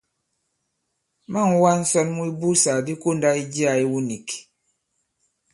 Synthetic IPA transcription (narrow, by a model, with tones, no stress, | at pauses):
ma˦˨ŋ˦wa˦n̩˦sɔ˦nmu˦i˦bu˦sa˨di˦ko˦nda˦i˦d͡ʒi˦a˨i˦wu˦ni˨k